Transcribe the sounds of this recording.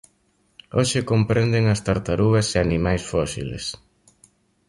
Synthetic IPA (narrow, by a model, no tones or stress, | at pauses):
oʃɪkompɾend̪eŋɐst̪aɾt̪aɾuɣɐseanimajsfɔsḭlḛs